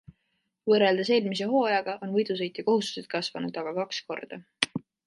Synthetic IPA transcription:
vɤrːeld̪ɑse̞ːlmis̬eɦo̞ːjɑɡ̥ɑʔo̞nvɤjd̪̥us̬ɤjt̪ˑjɑko̞ɦust̪u̥se̞t̪̚kɑsvɑnud̪̥ɑɡ̥ɑkɑksko̞̰rd̪̥ɑ

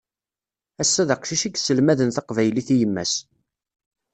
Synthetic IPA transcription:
æsːæðəqʃiʃiɡsəlmæðənθɑqvæjliθijəmːæ̰s

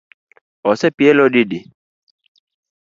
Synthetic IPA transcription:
ɔsɛpiɛlɔede

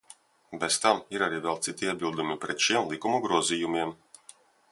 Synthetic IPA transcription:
bɛz̥t̪amiɾaɾiːvɛlˠt̪sit̪iiɛbʲilˠd̪umipɾɛt̪ʃiɛmlˠikumuɡɾuɔzijumʲiɛm

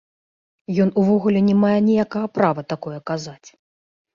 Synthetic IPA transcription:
jɔnuvɔɣulʲɛnʲɛmajɛnʲijakɐɣɐpɾavɐt̪akɔjɛkazat͡sʲ

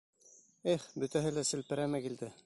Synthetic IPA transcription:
eχbɵ̆t̪æɦɘlæsɘ̆lpɘ̆ɾæmɘkild̪ɘ

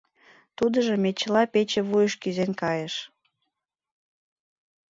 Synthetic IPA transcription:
t̪ud̪əʒəmet͡ɕəlɑpet͡ɕĕβujəʃkyzenkɑjeʃ

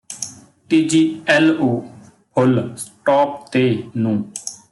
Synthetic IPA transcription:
ʈiːd͡ʒiːɛloː | pʰʊlsʈɔːp̚t̪eːnũː

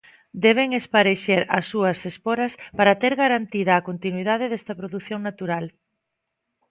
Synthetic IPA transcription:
d̪ɛβ̞eŋespaɾeʃeɾɐsːuɐsespoɾɐspaɾɐt̪eɾɣaɾant̪iðɐːkont̪inwiðaðeðɛst̪ɐpɾoðuθjoŋnat̪uɾal

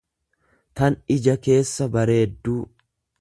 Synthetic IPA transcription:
t̪ɐnɪd͡ʒɐke̞ːsːɐbɐɾe̞ːd̪ːuː

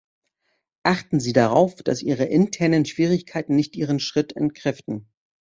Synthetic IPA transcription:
ʔaχtn̩ziːdaʁ̞aʊfd̥a̰sʔiːʁ̞əʔɪntʰɛɐnənʃv̥iːʁ̞ɪçkʰaɪtn̩nɪçtʔiːʁ̞ənʃʁ̥ɪtʰɛ̰ntkʁ̥ɛftn̩

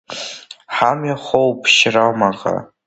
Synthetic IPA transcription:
ħamjaχʷowpʰʃramaqa̰

